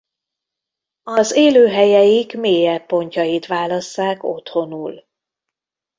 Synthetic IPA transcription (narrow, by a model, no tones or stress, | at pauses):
ɒzeːløːɦɛjɛjikmeːjɛpːo̞ɲcɒjit̪ʋaːlɒsːaːko̞̰t̪ho̞nuːl